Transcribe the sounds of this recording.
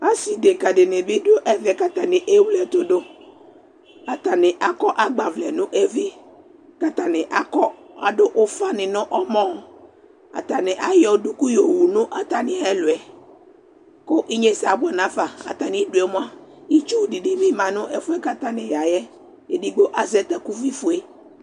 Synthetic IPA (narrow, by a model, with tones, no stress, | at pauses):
a˦si˨de˨ka˨dɪ˨nɪ̃˨bɪ˦dʊ˦o˦ʔɛ˦vɪ˨ɛ˨ka˦ta˨nɪ̃˨ʔe˦wu˦lɛ˨to˨do˦ | a˨ta˨nɪ̃˨ʔa˦kɔ˦ʔa˦ɡ͡ba˨vlɛ˨nʊ̃˦ʔɛ˦vɪ˦ | ka˨ta˨nɪ̃˨ʔa˨kɔ˦a˨dʊ˦ʔʊ˦fa˦nɪ̃˨nʊ̃˦ʔɔ˦mɔ̃˦˨ | a̰˨t̪a˨nɪ̃˨ʔa˦jɔ˨du˦ku˦jo˨wu˨nʊ̃˦ʔa˨t̪a˦nɪ̃˨ɛ˦lʊ˨ɛ˨ | kʊ˦ʔi˦ɲe˦sa˨bʊ˦ɛ˨nã˦fa˨a̰˨t̪a˨nɪ̃˦dʊ˨ɛ˨mʊ̃˦a˦i˦t͡ʃu˦˨di˨di˦mɪ̃˦mã˨nʊ̃˦ʔɛ˨fʊ˦ɛ˦ka˦t̪a˦nɪ̃˨ja˨jɛ˦ | e˨di˨ɡ͡bo˦ʔa˨zɛ˦t̪a˦ku˦vi˦fʊ˨e˦